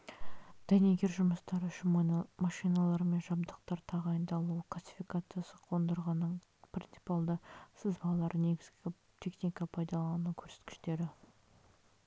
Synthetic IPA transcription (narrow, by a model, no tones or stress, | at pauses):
d̪̥æneɡʲe̞ɾʒʊməst̪ɑɾəʏʃɪnmɑʃijnɑlˠɑɾme̞nʒɑbd̪əqt̪ɑɾt̪ʰɑʁɑjənd̪ɑlˠuqʰlˠasʲi̥fijkat̪sɨjasəqʰo̞nd̪əɾʁɑnːəɴ | prʲint̪si̥pɑlˠd̪əsəzbɑlˠlˠɑɾne̞ɡʲɪzɡʲɪ | t̪ʰe̞χnʲijkɑpʰɑjd̪ɑlˠɑnukʲʰɵɾse̞t̪kʲɪ̥ʃt̪e̞ɾɪ